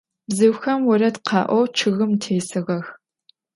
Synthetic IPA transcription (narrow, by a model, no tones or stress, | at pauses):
bzɨwxɐmwɔɾɐtqʰɑ̰ːʔʷɔwt͡ʃʰɨɣɨmtʰeːsɨʁɐx